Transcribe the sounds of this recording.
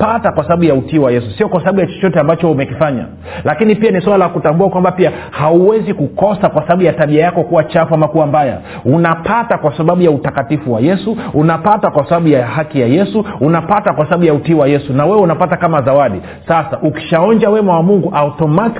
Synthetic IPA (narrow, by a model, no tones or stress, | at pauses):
patakwasaɓaɓujautiwajɛsusiɔkwasaaɓujat͡ʃɔ̥t͡ʃɔtɛambat͡ʃɔumɛkifaɲa̰ | lakinipianiswalalakutambuakwambapia | hauwɛzikukɔsakwasaɓaɓujataɓiajakɔkuwat͡ʃafamakuambaja̰ | unapatakwasaɓaɓujautakatifuwajɛsuunapatakwasaɓaɓujahakijajɛsuunapatakwasaɓaɓujautiwajɛsunawɛwɛunapatakamazawaɗi | sasaʔuki̥ʃaɔnd͡ʒawɛmawamuŋɡuʔautɔmat